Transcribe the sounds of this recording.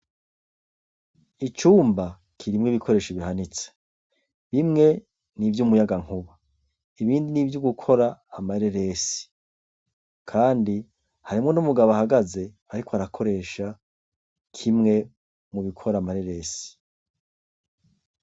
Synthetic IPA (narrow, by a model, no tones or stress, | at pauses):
it͡ʃuːmba | kʰiɾimŋiβikʰo̞ɾe̞ːʃiβiɦanit͡se̥ | βimŋe̞ | nivjumujaɡaŋ̥huβa | iβiːndinivjuɡukʰo̞ɾaːmaɾeɾe̞ːsi̥ | kʰaːndi | haɾimŋo̞numuɡaβoahaɡaze̞ | aɾikʰoaɾakʰo̞ɾe̞ːʃa | kʰimŋe̞ | muβikʰo̞ɾamaɾeɾe̞ːsi̥